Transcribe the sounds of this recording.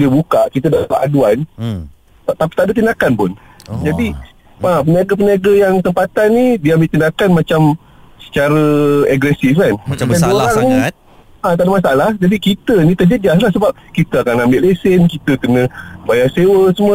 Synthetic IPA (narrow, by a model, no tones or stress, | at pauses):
diəbukaʔkit̪ədalaʔaduan | t̪api̥t̪aʔdət̪̬indakanpʊn | d͡ʒadi | apəniaɡap̬əniaɡəjaŋt̪əmpat̪anːidiəambɪʔt̪indakanmat͡ʃam | sə̥t͡ʃaɾəaɡɾɛsifkanaoɾaŋ | at̪adamas̬aalahd͡ʒadikit̪ənĩt̪əd͡ʒəd͡ʒaslahsəbap̚kit̪əakanambɪʔlesənkit̪əkənə̃bajasewəsəmə